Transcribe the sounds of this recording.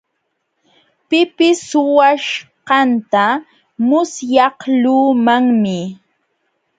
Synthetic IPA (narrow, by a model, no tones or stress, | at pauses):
pɪpɪsʊwaʃqɑnt̪a | mʊsjɑhluːmaŋmɪ